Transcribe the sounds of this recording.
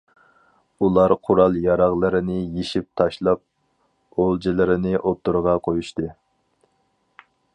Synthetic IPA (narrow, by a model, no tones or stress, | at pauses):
ulˠɑɾqʰʊɾɑlˠjɑɾɑʁlˠɨɾɪnɪjeʃip̚t̪ʰɑʃlˠɑp̚ | olˠd͡ʒilˠɪɾɪnɪʔot̪ʰːuɾʁɑqʰojuʃt̪ɨ